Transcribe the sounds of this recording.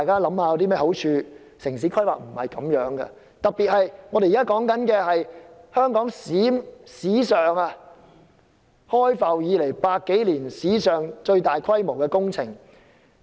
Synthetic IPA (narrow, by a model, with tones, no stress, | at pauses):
t̪a˨jkaː˥lɐ˨˥mhaː˧jwt̪iː˥mɛː˥ho˨˥wt͡ʃʰyː˧ | sɪ˨˩ŋsiː˨˥kʰɐ˥jwa̰ː˨k̚m̩˨˩hɐ˨jkɐ˨˧mjœː˨˥ŋɡɐ̰˧ | t̪ɐ˨k̚piː˨t̚hɐ˨jŋɔ˨˧ɾe˨jːkaː˥kɔː˨˥ŋkɐ˨˥nkɛː˧hɐ˨jhœː˥ŋkɔː˨˥ŋsiː˨˥msiː˨˥sœː˨ŋa˧ | hɔː˥jfɐ˨wjiː˨˧le˨˩jpaː˧t̚kːe˨˥jliː˨˩nsiː˨˥sœː˨ŋt͡ʃɵ˧ɥt̪aː˨jkʰɐ˥jmo˨˩wkɛː˧kʊ˥ŋt͡sʰɪ̰˨˩ŋ